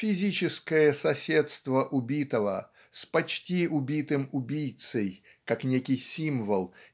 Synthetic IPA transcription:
fʲɪzʲit͡ɕɪskəjəsɐsʲet̪st̪vəʔʊbʲit̪əvə | spɐt͡ɕtʲiʊbʲit̪ɨmʊbʲijt̪səj | kaknʲekʲɪjsʲimvəlˠ

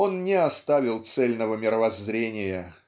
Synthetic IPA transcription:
o̞nnʲɪɐst̪avʲɪlˠt̪sɛlʲnəvəmʲɪɾəvɐzɾʲenʲɪjə

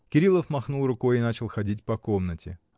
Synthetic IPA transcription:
kʲɪɾʲilˠəfmɐxnulˠrʊko̞jɪnat͡ɕɪlˠxɐdʲitʲpɐko̞mnətʲɪ̰

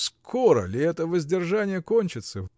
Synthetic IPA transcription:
skʰoɾə̰lʲɪɛt̪əvəzʲdʲɪrʐanʲɪjəkonʲt͡ɕɪt̪səv

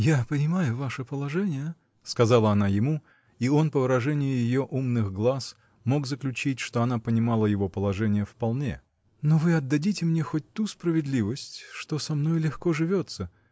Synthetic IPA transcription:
japənʲɪmajʊvaʂɨpəlˠɐʐɛnʲɪjə | skɐzalˠəɐnajɪmu | io̞npəvəɾɐʐɛnʲɪjʊjɪjo̞ʔumnɨxɡlˠas | mo̞ɡzəklʲʉt͡ɕitʲʂt̪o̞ɐnapənʲɪmalˠəjɪvo̞pəlˠɐʐɛnʲɪjəfpɐlˠnʲe̞̰ | novɨɐd̪ːɐdʲitʲɪmnʲexot̚ʲt̪uspɾəvʲɪd̪lʲivəsʲtʲʂt̪o̞sɐmno̞jlʲɪxko̞ʐɨvʲo̞t̪sə

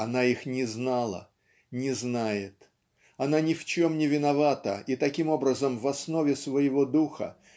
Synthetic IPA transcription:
ɐnaixnʲɪznalˠə̰ | nʲɪznajɪt̪ | ɐnanʲɪft͡ɕo̞mnʲɪvʲɪnɐvat̪əit̪ɐkʲimo̞bɾəzəmvɐsno̞vʲɪsvəjɪvo̞d̪uxə̰

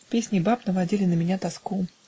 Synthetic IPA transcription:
fpʲesʲnʲɪbapnəvɐdʲilʲɪnəmʲɪnʲat̪ɐsku

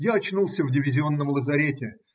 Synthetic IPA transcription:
jaɐt͡ɕnulˠsʲəvdʲɪvʲɪzʲɪo̞nːəmlˠəzɐɾʲetʲɪ

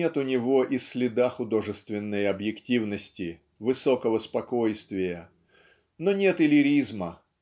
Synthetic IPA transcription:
e̞t̪ʊnʲɪvo̞ʔisʲlʲɪd̪axʊd̪o̞ʐɨst̪vʲɪnːɨjɐbjɪktʲivnəsʲtʲɪ | vɨso̞kəvəspɐko̞jst̪vʲɪjə | no̞nʲe̞t̪ɪlʲɪɾʲizmə

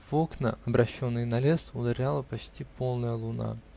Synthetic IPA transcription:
vo̞knəɐbɾʔɐɕːo̞nːɨjnɐlʲe̞sʊd̪ɐɾʲalˠəpɐt͡ɕtʲipo̞lˠnəjəlˠʊna̰

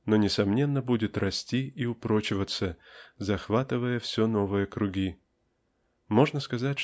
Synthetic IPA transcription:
nonʲɪsɐmnʲe̞nːəbudʲɪt̪rɐsʲtʲiiʊpɾot͡ɕɪvət̪səzɐxvat̪ɨvəjəfsʲɵno̞vɨjəkɾʊɡʲi | mo̞ʐnəskɐzat̚ʲ

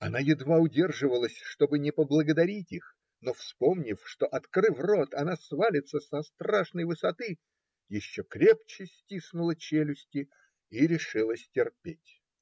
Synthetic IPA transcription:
ɐnajɪd̪vaʊdʲe̞rʐɨvəlˠəsʲʂt̪o̞bɨnʲɪpəblˠəɡəd̪ɐɾʲitʲix | nofspo̞mnʲɪfʂt̪o̞ʔɐt̪krɨvro̞t̪ɐnasvalʲɪt̪səsɐst̪raʂnəjvɨsɐt̪ɨ | jɪɕːokɾʲe̞p̚t͡ɕɪsʲtʲisnʊlˠət͡ɕelʲʊsʲtʲɪ | iɾʲɪʂɨlˠəsʲtʲɪrpʲetʲ

